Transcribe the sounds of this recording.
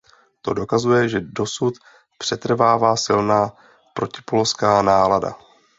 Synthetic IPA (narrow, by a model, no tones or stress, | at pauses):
t̪o̞do̞kazujɛʒɛdo̞sut̪ | pr̝̥ɛt̪r̩vaːvaːsɪlnaː | pɾo̞cɪ̥poloskaːnaːlada̰